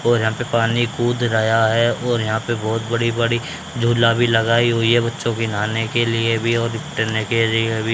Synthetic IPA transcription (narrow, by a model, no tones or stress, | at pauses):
ɔːɾjɐɦãːpepaːnikuːd̪ɾɐjaɦɛɔːɾjɐɦãːpebɔːt̪bɐɽibɐɽi | d͡ʒʱuːlabʱilɐɡaːiɦoiɦɛbɐtːʃõkinaːnekelɪebʱiɔːɾɪʈəɾnekelɪebʱi